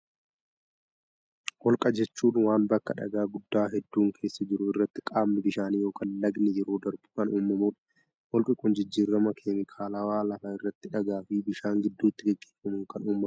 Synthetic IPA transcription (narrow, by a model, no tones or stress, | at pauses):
wɔlkʼɐd͡ʒɛt͡ʃːuːnwaːnbɐkːɐᶑɐ̰ɡaːɡʊd̪ːaːɦɛd̪ːuːŋkʰe̞ːsːɐd͡ʒɪɾʊɪrːɐt̪ːɪ̥kʼaːmnɪbɪʃaːniːjo̞ːkɐnlɐɡnɪjɛɾoːd̪ɐɾbʊ̥kɐnuːmːɐmuːᶑɐ̥ | wɔlkʼɪkʼʊnd͡ʒɪd͡ʒːiːrːɐmɐkʰeːmɪkʰaːlɐwaːlɐmaːɪrːɐt̪ːɪᶑɐɡaːfɪbɪʃaːŋɡɪd̪ːuːt̪ːɪɡɛɡːeːfːɐmʊŋkɐnuːmːɐm